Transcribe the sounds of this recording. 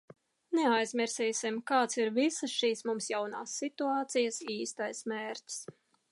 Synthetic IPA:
neajzmʲiɾsiːsimkaːt̪siɾvisəsʃiːsmumsjawnaːsːit̪uaːt̪sijəsiːst̪ajsmeːɾtʲs

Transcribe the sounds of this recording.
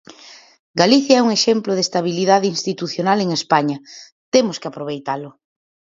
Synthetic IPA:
ɡaliθjaɛuŋeʃemplʊðest̪aβ̞iliðaðeinst̪it̪uθjonaleŋespaɲɐ | t̪emʊskeapɾoβ̞ejt̪alʊ

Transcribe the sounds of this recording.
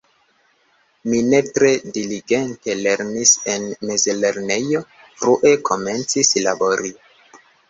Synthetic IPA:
mine̞tɾe̞diliɡe̞nte̞le̞ɾnise̞nme̞zle̞ɾne̞jo̞ | fɾuʔe̞kʰo̞me̞nt͡sislabo̞ɾi

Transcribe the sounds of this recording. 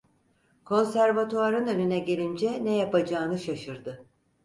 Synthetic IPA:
kʰo̞nsæɾvat̪ʰoaɾɯnø̞nynɛɟe̞lʲind͡ʒɛnɛjapad͡ʒaːnɯʃaʃɯɾd̪ɯ

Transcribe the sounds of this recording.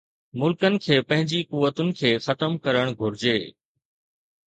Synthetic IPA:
mʊlkənɪ̆kʰeːpɐ̃ɦɪ̃ɲd͡ʑikʊʋːət̪ʊnɪ̆kʰeːxɐt̪əmkɐɾəɽ̃ɡʱʊɾɪd͡ʑeː

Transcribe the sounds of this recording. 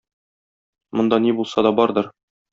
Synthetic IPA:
mŏnd̪ɑnibulˠsɑd̪ɒbɒɾd̪ɤɾ

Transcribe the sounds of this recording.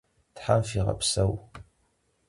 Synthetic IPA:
tħamfiʁɐ̰pʰsɐw

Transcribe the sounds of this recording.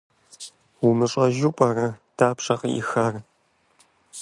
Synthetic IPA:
wʊmɨʂʼɐʒupʷʼɐrɐd̥aːpʂʼɐqḭxɐr

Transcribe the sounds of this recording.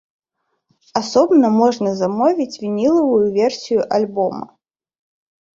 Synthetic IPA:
asɔbnɐmɔʐnɐzamɔvʲit͡sʲvʲinʲilˠɐvujuvʲɛrsʲijuʔalʲbɔmɐ̰

